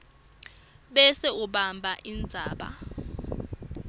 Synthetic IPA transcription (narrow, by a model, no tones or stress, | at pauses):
ɓɛsɛuɓambʱaʔind͡zʱaːɓa̰